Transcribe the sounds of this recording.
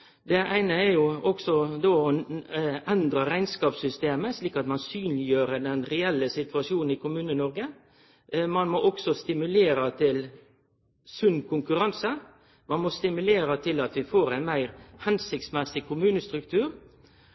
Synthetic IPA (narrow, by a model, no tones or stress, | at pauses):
d̪ɛʔæɪnəæɾjʊɔksɔd̪oːɔ | ɛnd̪ɾəɾæɪnskɑːpsʏst̪eːməsliːkɑt̪mɑnsyːnlɪjøːɾəd̪ɛnɾɛɛlːəsɪt̪ʰʉɑʂjuːnn̩ɪkʰʊmʉːnənɔɾɡə | mɑnmɔʔɔksɔst̪ɪmʉleːɾət̪ʰɪl | sʉnːkʰʊŋkʉɾɑnsə | mɑnmɔst̪ɪmʉleːɾət̪ʰɪlɑt̪ʋɪfoːɾæɪnmæɪɾhɛnsɪk̚t̪smɛsɪkʰʊmʉːnəst̪ɾʉk̚t̪ʰʉːɾ